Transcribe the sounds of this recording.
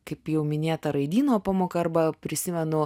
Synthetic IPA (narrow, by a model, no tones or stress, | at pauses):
kɐɪpjɛʊmʲɪnʲeːt̪ɐɾɐɪd̪ʲiːnoːpɑːmoːkɐɐrbɐpʲɾʲɪsʲɪmʲɛnʊ